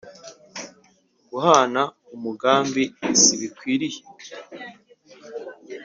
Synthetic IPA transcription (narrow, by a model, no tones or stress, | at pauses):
ɡuhana | umuɡaːmbiisiβikwiːɾije̥